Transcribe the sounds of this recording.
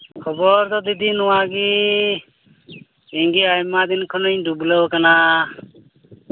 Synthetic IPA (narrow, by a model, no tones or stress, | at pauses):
kʰɔbɔɾt̪ɔd̪id̪inɔwaɡi | iŋɡiajmad̪inkʰɔnɯɲdublewkana